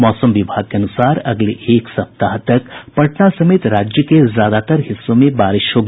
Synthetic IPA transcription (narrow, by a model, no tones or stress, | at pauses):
mɔːsəmʋɪbʱaːɡ̚keɐnʊsaːɾɐ̰ɡleʔeːksɐp̚t̪aɦt̪ɐkpɐʈnasɐmeːt̪ɾaːd͡ʒjəkezjaːd̪at̪əɾɦɪsːõmẽbaːɾɪʃɦoɡ